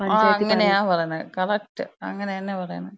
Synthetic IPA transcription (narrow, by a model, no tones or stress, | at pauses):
aɐŋːɐnejaːpɐrɐjɐɳɐkɐlɐk̚ʈːɨɐ̰ŋːɐneɐnːepɐrɐjɐɳɨ